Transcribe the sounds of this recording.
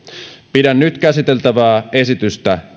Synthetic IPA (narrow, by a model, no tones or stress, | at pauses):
pidænnyt̪kæsit̪elt̪æʋæːesit̪yst̪æ